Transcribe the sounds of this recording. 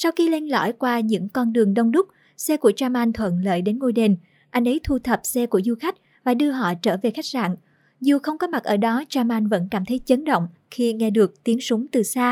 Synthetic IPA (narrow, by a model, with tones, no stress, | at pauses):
sa˧wxi˧le˧nlɔ̰˧˩jkwaː˧ɲɨ̰˧˥ŋkɔ˧nɗɨ˨˩əŋɗə˧wŋ͡mɗʊ˦˥k͡p̚ | sɛ˧ku˧˩ət͡ɕaː˧ma˧jŋ̟t̪ʰwə̰˧˨nlə̰ː˧˨jɗe˨˦nŋo˧jɗe˨˩n | ʔa˧jŋ̟ʔə˨˦jt̪ʰu˧t̪ʰə˨˩p̚sɛ˧ku˧˩əzu˧xa˦˥jk̟̚ | vaː˨˩ɗɨ˧əɦɔ̰˧˨t͡ɕəː˧˩ve˨˩xa˦˥jk̟̚za̰ː˧˨n | zu˨˩xə˧wŋ͡mkɔ˨˦ma˨˩ʔəː˧˩ɗɔ˨˦t͡ɕaː˧mʔa˧jŋ̟və̰˧˥nkaː˧˩mt̪ʰə˨˦jt͡ɕə˨˦nɗə̰˧˨wŋ͡m | xi˧ŋɛ˧ɗɨ˨˩ək̚t̪i˨˦ənsʊ˨˦ŋ͡mt̪ɨ˨˩saː˧